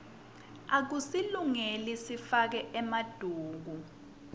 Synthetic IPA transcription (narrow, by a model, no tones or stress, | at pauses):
ak̬usiluŋelisifak̬ɛʔɛmad̥ʱuːk̬u